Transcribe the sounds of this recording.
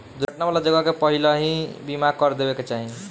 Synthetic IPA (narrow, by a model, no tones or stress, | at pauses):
d̪uɾəʈnabalad͡ʒəɡakepəɦiləɦĩbimakəɾd̪ebeket͡ʃaɦĩ